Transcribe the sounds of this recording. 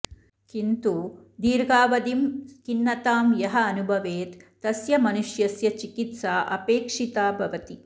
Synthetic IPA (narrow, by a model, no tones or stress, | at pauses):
kint̪uːd̪iːɾɡaːʋɐd̪imskinːɐt̪aːmjɐɦɐːnubʱɐʋeːt̪ːɐsjɐmɐnuʃjɐsjɐt͡ʃikit̪saːʔɐpeːkʂit̪aːbʱɐʋɐt̪i